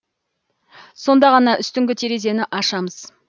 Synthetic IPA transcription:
so̞nd̪ɑʁɑnɑʔʏst̪ʏŋɡʲɪt̪ʰeɾeze̞nɪʔɑʃɑməz̥

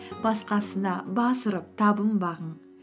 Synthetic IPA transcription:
b̥ɑsqɑsənɑbɑsəɾəp̚t̪ʰɑbəmbɑʁəɴ

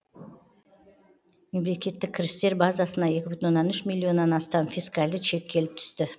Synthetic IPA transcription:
me̞mle̞kʲe̞t̪ːɪk̚ʲʰːɪɾɪst̪e̞ɾbazasənɑje̞kʲɪbʏt̪nonːɑnʏʃmilʲːio̞nːɑnɑst̪ɑnfijskalʲd̪ɪʃʰe̞kʲkʲʰe̞lɪp̚t̪ʰʏ̥st̪ɪ

